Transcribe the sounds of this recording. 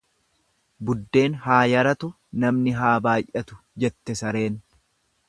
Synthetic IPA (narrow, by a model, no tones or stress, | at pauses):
bʊd̪ːe̞ːnɦaːjɐɾɐt̪ʊ | nɐmnɪɦaːbaːjʔɐt̪ʊ̥ | d͡ʒɛt̪ːɛsɐɾe̞ːn